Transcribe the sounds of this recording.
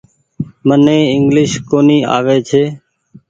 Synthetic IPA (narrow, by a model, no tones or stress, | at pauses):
mənẽːɪŋɡlɪʃkoːniːa̰ːʋeːt͡ʃʰeː